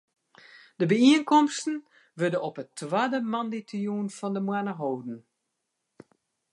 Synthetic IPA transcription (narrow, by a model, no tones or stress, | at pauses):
d̥əbəiənkɔmstən̩ | ʋødəɔpətːʋadəmɑnditjuːnfɔndəmwanəɦoːdn̩